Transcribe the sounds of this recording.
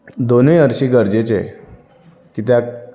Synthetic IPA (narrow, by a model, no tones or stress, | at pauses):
d̪onjəɾɕiːɡəɾd͡ʑet͡se | kit̪jak